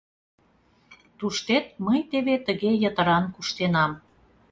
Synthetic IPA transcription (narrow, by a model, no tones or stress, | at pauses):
t̪uʃt̪et̪̚məjt̪eβet̪əɣejət̪ə̆ɾɑnkuʃt̪enɑm